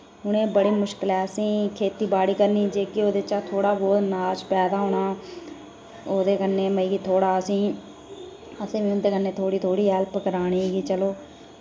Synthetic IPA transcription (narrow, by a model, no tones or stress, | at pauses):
ʊñẽːbəɽeːmʊʃkəlɛːsĩːkʰeːt̪iːbaːɽiːkəɾniːd͡ʒeːkɪoːd̪eːt͡ʃaːt̪ʰoːɽaːbɔːd̪naːlt͡ʃpɛːd̪aːɦoːɳaː | oːd̪eːkənːeːməiːɡiːt̪ʰoːɽaːsĩː | əsẽːʋĩːʊnd̪eːkənːeːt̪ʰoːɽiːt̪ʰoːɽiːɦɛːlpəkəɾaːɽ̃iːeːɡiːt͡ʃəloː